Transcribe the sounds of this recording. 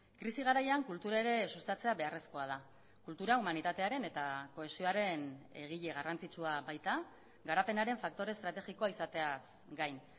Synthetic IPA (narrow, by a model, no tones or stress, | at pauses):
kɾisiɣ̞aɾajaŋkult̪uɾaeɾe̞sust̪at͡se̞aβe̞are̞sko̞að̞a | kult̪uɾaumanit̪at̪e̞aɾe̞ne̞t̪ako̞e̞sio̞aɾe̞ne̞ɣ̞iʎe̞ɣ̞arʔant͡sit͡suabajt̪a | ɡaɾape̞naɾe̞ɱfak̚t̪o̞ɾe̞st̪ɾat̪e̞ɣiko̞aisat̪e̞as | ɡajn